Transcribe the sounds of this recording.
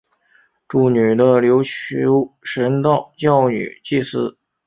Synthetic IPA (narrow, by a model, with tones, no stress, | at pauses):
ʈ͡ʂu˨˩ny˨˩d̪ə˦ljo˧˥ʊt͡ɕʰy˧˥ʂə˧˥nt̪ɑ˥˧˩ʊt͡ɕjɑ˥˩ʊny̰˨˩t͡ɕi˥˧˩sɹ̩˥